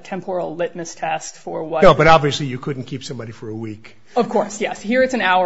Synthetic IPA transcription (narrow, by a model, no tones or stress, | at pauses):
tʰɛ̃mpʰɛl̩ˠlɪt̚mɨstʰɛstfə˞wʌnoʊbʌɾɑbviɨslijɨkʰʊdⁿn̩kʰipsʌ̃mbɑɾifə˞əwik | ʌv̥kʰɔɹsjɛshiɹɨtsɨ̃naʊə